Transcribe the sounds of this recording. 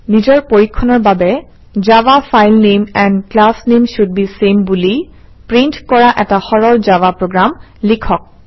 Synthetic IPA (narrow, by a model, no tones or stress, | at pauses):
nizɔɹpoɹikʰːɔnɔɹbabɛ | zabafajlnemɛndklasnemʃud̚bisembuli | pɹintkɔɹaʔɛtaxɔɹɔɹzabapɹoɡɹam | likʰɔk̚